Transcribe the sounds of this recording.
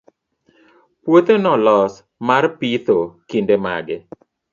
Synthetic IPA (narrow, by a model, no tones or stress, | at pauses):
pwot̪onɔlɔs | marpit̪okindema̰ɡɪ